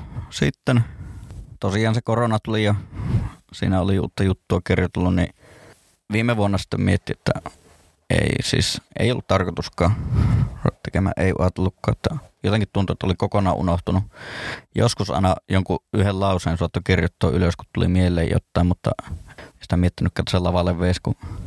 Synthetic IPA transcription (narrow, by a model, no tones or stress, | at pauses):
sit̪ːen | t̪osiˑɑːnsekoronɑt̪ulijɑ | sḭːnæoliṵːt̪ːɑjut̪ːuɑkirjut̪elːunni | ʋiːmːeʋuonːɑsi̥t̪ːemmiet̪ːiet̪ːæ | ḛˑisḭːsʔḛˑijolːut̪t̪ɑrkot̪uskˑɑː | t̪ekemæ̰ːʔʔeˑiʔṵɑt̪elːukːɑ̰ːt̪ːæjot̪eŋkit̪t̪unt̪uet̪ːæolikokonˑɑːʔṵnoht̪unujo̰skusʔɑ̰ˑenɑjoŋkuʔyhellɑˑuseːnsuɑt̪ːukirjut̪ːo̰ːʔʔyløskut̪t̪ulḭmielːˑḛːjo̰t̪ːɑˑimmut̪ːɑ̰si̥t̪æmiet̪ːinykːæːt̪ːˑselɑʋɑlːeʋʋeˑisku